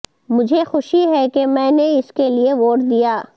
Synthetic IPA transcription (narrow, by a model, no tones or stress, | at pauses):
mʊd͡ʒʱexʊʃiɦɛkemɛ̃ːneɪskelieʋoːʈd̪ijaː